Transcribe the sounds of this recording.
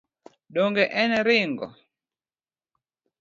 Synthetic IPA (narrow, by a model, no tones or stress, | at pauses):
ɗɔŋɡɛʔɛnɛɾɪŋɡɔ̰